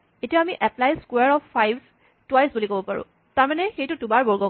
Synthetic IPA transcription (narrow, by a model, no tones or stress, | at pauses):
etiaamiʔɛplajskweaɹɔpːajbʱ | twajsbulikobɔpaɹʊ̰̃ | taɹmanɛxejtʊtubaɹbɔɹɡɔ